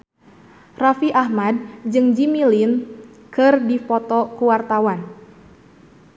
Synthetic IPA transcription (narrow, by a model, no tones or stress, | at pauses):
rafiʔahmad̚d͡ʒɨŋd͡ʒimilin | kɨrdifɔt̪ɔkuwart̪awan